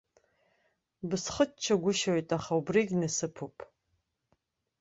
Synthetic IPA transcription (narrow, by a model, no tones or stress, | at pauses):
bɨsχət͡ʃʰːɐɡʷʊʃowjtʼaχaubriɡʲnɨsɨpʰupʼ